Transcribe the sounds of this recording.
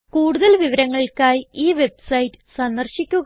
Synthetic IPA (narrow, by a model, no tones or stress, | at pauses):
kuːɽuðɐlʋiʋɐɾɐŋːɐɭkaːjiːʋe̞bsɐjtːɨ̥sɐnd̪ɐrɕikʲːuɣ